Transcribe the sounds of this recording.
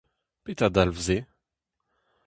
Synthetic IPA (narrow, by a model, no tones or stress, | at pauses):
pet̪ad̪alvze